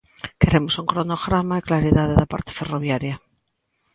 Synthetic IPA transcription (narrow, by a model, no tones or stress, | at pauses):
keɾemosuŋkɾonoɣɾamaeklaɾiðað̞eðapa̰ɾt̪e̥feroβjaɾja